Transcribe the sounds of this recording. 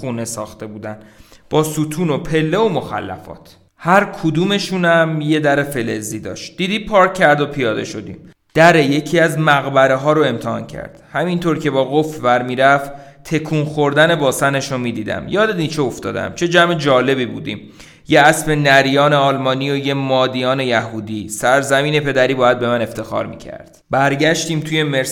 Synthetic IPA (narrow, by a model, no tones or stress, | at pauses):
uːne̞sɒ̰ːxt̪e̞buːd̪ænb̥ɒːsut̪ʰuːnopʰe̞lːe̞omo̞xæ̰lːæ̰fɒ̰ːt̪ʰ | hæɾkʰud̪uːme̞ʃunæmje̞d̪æɾefe̞leziːd̪ɒ̰ːʃt̪̚d̪̥iːd̪iːpʰɒːɾcʰːæɾd̪opʰijɒːd̪e̞ʃo̞d̪ḭːm | d̪̥æɾe̞je̞cʰiæzmæɣbæɾeɦɒːɾoe̞mt̪ʰɛhɒ̰ːncʰæ̰ɾd̪̥hæmint̪ʰoɾcʰe̞bɒːɣofbæɾmiːɾæft̪ | t̪ʰe̞kʰuːnxoɾd̪æne̞bɒːsæne̞ʃomiːd̪iːd̪æ̰mjɒːd̪ed̪iːt͡ʃʰeoft̪ɒ̰ːd̪æ̰mt͡ʃʰe̞d͡ʒæmed͡ʒɒːle̞biːbuːd̪ḭːm | jeæsfe̞nːæɾijɒːneɒːlmɒːnioje̞mɒːd̪ijɒːne̞jæɦuːd̪iːsæɾzæmiːne̞pʰe̞d̪æɾiːbɒːjæd̪̚be̞mæne̞ft̪ʰe̞xɒ̰ːɾmḭːcʰæ̰ɾd̪̥b̥æɾɟæʃt̪iːmt̪ʰuje̞meɾ